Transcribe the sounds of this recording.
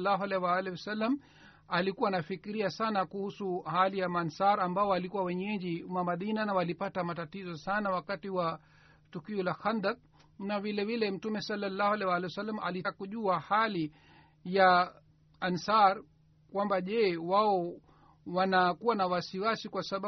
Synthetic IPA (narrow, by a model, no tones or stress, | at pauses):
lːaɦalɛwalɛwasalːam | alikuwanafikiɾiasanakuhusuhalijamansaɾambaɔalikuwawɛɲɛʄimamaðinanawalipatamatatizɔsanawakatiwa | tukiɔlaxand̪ak̚ | navilɛvilɛm̩tumɛsalːalːahwalɛwalɛjwsalːamʔalikuʄuahali | ja | ansaɾ | kwambaʄɛwaɔ | wanakuwanawasiwasikwasaɓ